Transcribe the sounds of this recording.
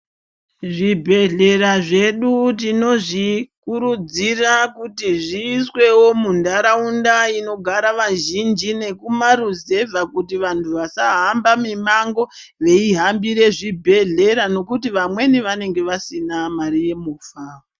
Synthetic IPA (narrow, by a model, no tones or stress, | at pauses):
ʐibʱe̞ɮe̞raʐe̞ɗutino̞ʐikuɾud͡zirakutiʐiːswe̞wo̞mundaɾaundaino̞ɡʱaɾaʋaʒind͡ʒine̞kumaruze̞vʱakutiʋantʰuʋasaɦambamimaŋɡo̞ | ʋe̞iɦambiɾe̞ʐibʱe̞ɮe̞ɾano̞kutiʋamwe̞niʋane̞ŋɡe̞ʋasinamaɾije̞muːfao